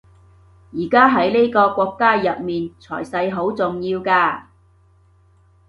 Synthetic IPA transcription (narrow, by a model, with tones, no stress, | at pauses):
jiː˨˩kaː˥ɦɐ˨˥jle˥jkɔː˧kʷɔː˧kːaː˥jɐ˨p̚miː˨nt͡sʰɔ̰ː˨˩jsɐ˧jɦo˨˥wt͡sʊ˨ŋjiː˧wkaː˧